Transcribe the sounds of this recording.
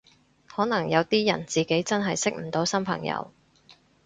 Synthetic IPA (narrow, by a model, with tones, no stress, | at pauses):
hɔː˨˥nɐ˨˩ŋjɐ˨˧wt̪iː˥jɐ˨˩nt͡siː˨ke˨˥jt͡sɐ˥nɦɐ˨jsɪ˥k̚m̩˨˩t̪o˨˥wsɐ˥mpʰɐ̰˨˩ŋjɐ̰˧w